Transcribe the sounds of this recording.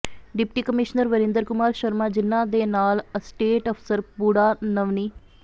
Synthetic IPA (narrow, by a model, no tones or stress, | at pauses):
ɖɪpʈiːkəmɪʃnəɾʋəɾɪ̃nd̪əɾkʊmaːɾʃəɾmaːd͡ʒɪnːãːd̪eːnaːləsʈeːʈɔpʰsəɾbuɽaːnəʋniː